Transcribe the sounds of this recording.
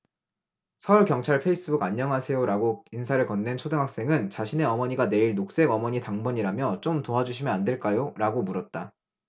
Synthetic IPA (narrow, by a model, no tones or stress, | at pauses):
sʰʌuɭkjʌŋt͡ɕʰaɭpʰe̞is͈ɯbuɡaɲːʌŋɦasʰe̞joɾaɡoinsʰaɾɯɭkʌnːent͡ɕʰodɯŋɦak̚s͈e̞ŋɯnt͡ɕaɕʰine̞ʌmʌɲiɡane̞iɭnok̚s͈e̞ɡʌmʌɲitaŋbʌɲiɾamjʌt͡ɕ͈omtoɦad͡ʑuɕʰimjʌnande̞ɭk͈ajoɾaɡomuɾʌt̚t͈a